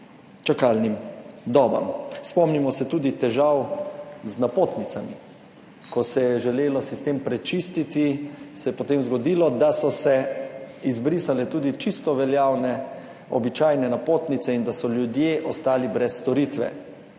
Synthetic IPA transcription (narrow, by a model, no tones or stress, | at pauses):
t͡ʃakalnimd̪ɔːba̰mspɔmnimɔsɛt̪uːd̪it̪ɛʒawznapoːt̪nit̪sami | kɔsɛjɛʒɛleːlɔsist̪empɾɛt͡ʃist̪it̪isɛjɛpot̪emzɡɔd̪ilɔd̪asɔsɛ | izbɾisalɛt̪uːd̪it͡ʃist̪ɔʋɛljawnɛ | ɔbit͡ʃaːjnɛnapoːt̪nit̪sɛind̪asɔljud̪jeʔɔst̪aːlibɾɛsːt̪ɔɾit̪ʋɛ̰